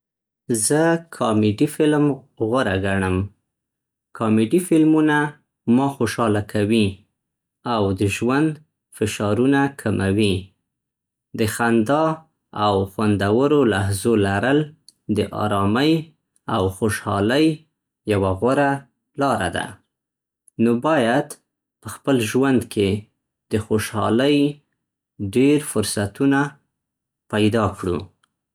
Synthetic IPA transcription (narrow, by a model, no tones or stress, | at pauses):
zəkʰɑmeɖifɪlm | ɣʊɾaɡaɳəm | kʰɑmeɖifɪlmuna | mɑxoʃɑlakʰawi | awd̪əʒwand̪ | fɪʃɑɾunakʰamʔawi | d̪əxand̪ɑ | awxwand̪awəɾolaɦzolaɾəld̪əʔɑ̰ɾɑməj | awxoʃhɑləj | jawaɣwaɾa | lɑɾad̪a̰ | nobɑjad̪ | pəxpəlʒwand̪kʰe | d̪̥əxoʃhɑ̰ləj | ɖeɾfʊɾsat̪una | pajd̪ɑkɽṵ